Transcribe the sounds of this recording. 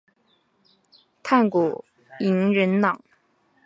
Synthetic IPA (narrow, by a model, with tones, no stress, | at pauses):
t̪ʰa˥˩nku˨˩ | i˧˥ŋɻə˧˥nnɑ˨˩˦ŋ